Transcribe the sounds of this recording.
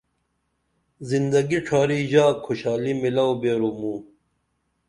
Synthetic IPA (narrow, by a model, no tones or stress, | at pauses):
zind̪ɐɡiʈ͡ʂʰaːɾiʑaːkʰoɕaːlimilɐwbeːɾumuː